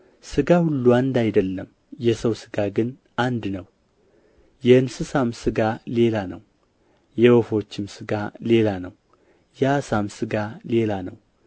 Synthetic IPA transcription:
sɨɡahulːuand̪ajd̪əlːəm | jɛsəwsɨ̥ɡaɡɨn | and̪nəw | jɛɨnsɨsamsɨɡale̞lanə̰w | jɛwofo̞t͡ʃːɪmsɨɡale̞lanəw | jɛsamsɨɡale̞lanəw

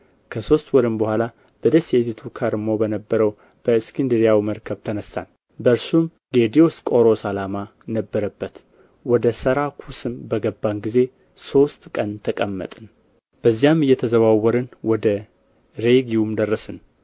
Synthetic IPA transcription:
kʰəso̞st̪wɔɾɨmbəhʷala | b̥əd̪əset̪ʰit̪ʰukʰaɾmo̞bənəbːəɾəw | b̥əɨskʰind̪ɾijawiməɾkʰəβt̪ʰənəsa̰n | bəɾsum | ɡed̪io̞skʼo̞ɾo̞salama | nəbːəɾəbːət̪ | wɔd̪əsəɾakʰusɨmbəɡəbːanɡize̞ | so̞st̪kʼənt̪ʰəkʼəmːə̰t̪ʼɨn | b̥əzːijamɨjːɛt̪ʰəzəβawːɔɾɨnwɔd̪ə | ɾe̞ɡiwumd̪ərːəsɨn

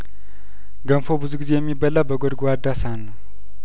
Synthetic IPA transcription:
ɡəmfobɨzuɡize̞jɛmːibəlawbəɡʷɔd̪ɡoad̪ːasanːəw

